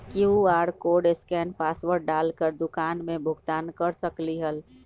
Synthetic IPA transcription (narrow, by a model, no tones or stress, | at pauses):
kiuaɾkoɖeskɛnpasʋəɾɽɖalkəɾd̪ukanmebʱʊɡt̪ankəɾsəkliɦəl